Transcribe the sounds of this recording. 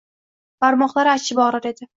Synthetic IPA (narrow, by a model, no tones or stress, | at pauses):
b̥aɾmɒχlˠaɾɪat͡ʃʰːɪbɒɾaɾe̞d̪ɪ